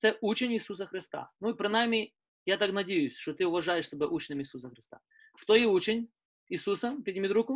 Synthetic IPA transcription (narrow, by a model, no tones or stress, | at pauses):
sʲɛʔut͡ɕɪnʲɪsusəxɾʲɪst̪a̰nuɪpɾʲɪnamʲɪ | jat̪aknɐdʲejʊsʲʂt̪ot̪ɨʊvɐʐajɪʂsʲɪbʲaʔut͡ɕnɨmʲɪsusəxɾʲɪst̪a̰ | kt̪ojiut͡ɕɪnʲ | ɪsusəpʲɪdʲɪmʲɪd̪ɾukʊ